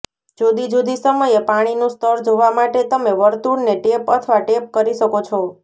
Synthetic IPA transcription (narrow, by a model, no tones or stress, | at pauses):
d͡ʒod̪id͡ʒod̪isəməjepaɽ̃inũst̪ʰəɾd͡ʒoʋamaʈet̪əmeʋəɾt̪uɾneʈepət̪ʰʋaʈep̚kəɾiʃəkot͡ʃʰo